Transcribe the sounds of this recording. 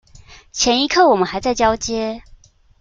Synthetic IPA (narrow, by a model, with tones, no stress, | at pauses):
t͡ɕʰjɛ˧˥ni˧˥kʰɤ˥˩wɔ˨˩mə˨˦nxa˧˥ɪt͡sa˥˩ɪt͡ɕjɑ˥ʊt͡ɕjɛ˥